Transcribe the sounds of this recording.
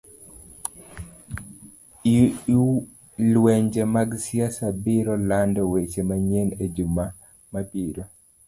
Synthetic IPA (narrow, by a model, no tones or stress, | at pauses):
i | lweɲd͡ʒemaɡsjasabɪɾɔlandɔwet͡ʃemaɲened͡ʒuma | mabiɾo